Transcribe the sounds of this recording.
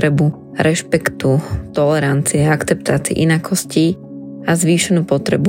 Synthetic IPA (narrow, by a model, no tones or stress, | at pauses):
ɾɛbu | ɾɛʃpɛkt̪ut̪ɔlɛɾant͡siɛakt͡sɛp̚t̪aːt͡siɛ̰ʔinakʰɔsci | azʋiːʃɛnuːpɔt̪ɾɛbu